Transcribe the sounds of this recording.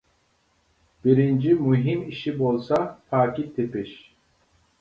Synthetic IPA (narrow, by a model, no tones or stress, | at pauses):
biɾind͡ʒimuɦimiʃibolˠsafaːkit̪ʰipiʃ